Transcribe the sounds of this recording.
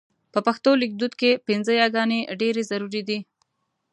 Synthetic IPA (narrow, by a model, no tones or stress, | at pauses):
pəpaxt̪olɪk̚d̪ud̪kepɪnzəjɑɡɑneɖeɾezaɾuɾid̪i